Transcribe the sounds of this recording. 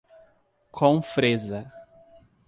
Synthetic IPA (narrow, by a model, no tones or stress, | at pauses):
kʰõwfɾezɐ